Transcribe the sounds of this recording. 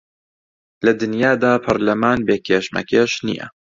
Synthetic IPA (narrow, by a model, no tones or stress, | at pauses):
lɐd̪ɨnjaːd̪aːpʰɐɾlɐmaːnbeːkʰeːʃmɐ̰keːʃnḭjɐ̰